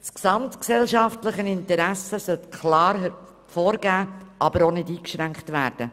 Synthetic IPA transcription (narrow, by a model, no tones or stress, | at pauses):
sksɑmtksɛlʃɑftləχənɪntəɾæsəsœltkʰlɑːɾh | foːɾɡæːʔɑbəɾonɪdiːkʃɾæŋkχtvæːɾd̥ə